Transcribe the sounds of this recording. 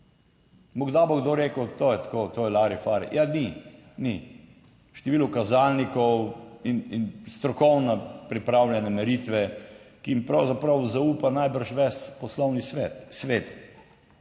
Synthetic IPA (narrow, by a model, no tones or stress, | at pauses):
mɔɡd̪aːboɡd̪oːɾeːkət̪oːjɛt̪ḁkoːt̪oːjɛlaɾifaːɾḭjʔanini | ʃt̪ɛʋilukazalnikɔwininst̪ɾɔkɔwnapɾipɾawljɛnɛmɛɾit̪ʋɛkiimpɾɐwzapɾɐwzauːpanajbəɾʃʋɛspɔslɔwnisʋet̪sʋeːt̪